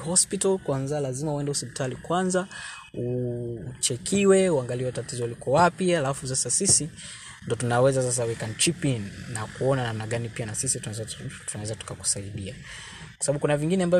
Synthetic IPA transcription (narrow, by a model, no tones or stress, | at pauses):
hɔspitalkwanzalazimauɛndɛuspi̥talikwanzau | t͡ʃɛkʰiwɛuaŋɡaliwɛtatizɔulikɔwapialafus̬asasisi | ndɔtunawɛzasas̬awɛkan̩t͡ʃipinnakuɔnanamnaɠanipianasisituaɛztunawɛzatu̥kaku̥saiɗia | kwasaɓaɓukunaviŋɡinɛamba